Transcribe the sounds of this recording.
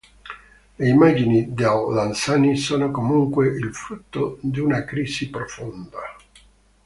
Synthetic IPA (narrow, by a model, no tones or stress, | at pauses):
leimad͡ʒinid̪awlansanisoːnokomuŋkweʔilfɾut̪ːod̪iunakɾiːsipɾofond̪a